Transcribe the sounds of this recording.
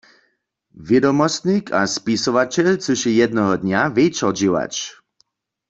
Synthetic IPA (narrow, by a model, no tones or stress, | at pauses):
vjɛdɔmɔst̪nikʰaspisɔvat͡ɕɛlt͡suɕɛjɛd̪nɔɦɔd̪ɲavɛjt͡ʃɔd͡ʑiwa̰t͡ʃ